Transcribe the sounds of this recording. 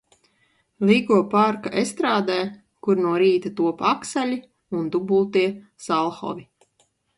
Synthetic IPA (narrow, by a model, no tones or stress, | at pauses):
lʲˠiːɡuɔpaɾkaʔest̪ɾaːd̪æː | kuɾnuɔɾiːt̪at̪uɔpaksalʲi | und̪ubulˠt̪iɛ | salˠxɔ̰vʲi